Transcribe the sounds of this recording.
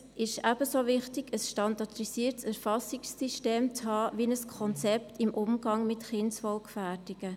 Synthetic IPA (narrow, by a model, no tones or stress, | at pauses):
ɪʃæb̥əsovɪχtɪɡ̥əsʃtɑndɑtrisiːəɾtsæɾfɑsɪksːiʃteːmt͡shɑːʋiənəskʰɔnt͡sɛp̚tɪmʔʊmɡ̥ɑŋmɪtχɪnsfɔlkfædɪɡ̥ə